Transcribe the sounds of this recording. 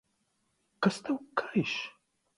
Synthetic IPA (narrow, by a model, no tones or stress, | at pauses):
kɐst̪ʰɐwkʰaiʃ